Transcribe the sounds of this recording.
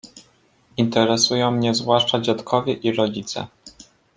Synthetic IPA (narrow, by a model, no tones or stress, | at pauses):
int̪ɛɾɛsujɔ̃w̃mɲɛzvwaʂt͡ʂad͡ʑat̪kʰɔvʲjɛʔiɾɔd͡ʑit̪sɛ̰